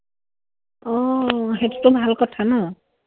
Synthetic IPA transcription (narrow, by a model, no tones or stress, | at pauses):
ɔɦetu̥tʊbʱalkɔtʰanɔ